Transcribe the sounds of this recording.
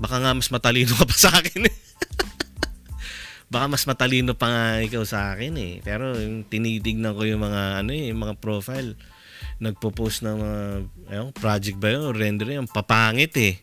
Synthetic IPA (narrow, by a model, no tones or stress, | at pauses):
bɐkaŋamɐsmɐt̪ɐliːnokɐpɐ̥sɐʔaːkɪnɛ | bɐkamɐsmɐt̪ɐliːnopɐŋaʔɪkawsɐʔaːkɪnɛ̰pɛːɾo̞jt̪ɪniːt̪ɪɡ̚nɐŋko̞jʊŋmɐŋaɐno̞ɛjʊŋmɐŋapɾoːfajl | nɐɡ̚poposnɐŋmɐŋaʔɐjoŋpɾaːd͡ʒɛk̪̚bɐjonɾɛnd̪ɛɾjonpɐpaːŋɪt̪ɛ